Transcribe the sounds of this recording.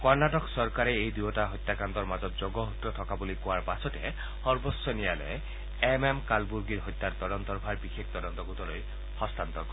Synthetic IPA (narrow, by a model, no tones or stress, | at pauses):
kɔɹnatɔksɔɹkaɹɛejdujɔtaɦɔjt̪ːakant̪ɔɹmazɔt̚zɔɡɔɦut̪ːɔtʰɔkabulikʊwaɹpasɔtɛ̰ | xɔɹbɔsːɔnijalɛ̰ | ɛmemkalbuɹɡiɹɦɔjt̪ːaɹt̪ɔdɔnt̪ɔɹbʱaɹbixekt̪ɔdɔnt̪ɔɡut̪ɔloj | hɔst̪ant̪ɔk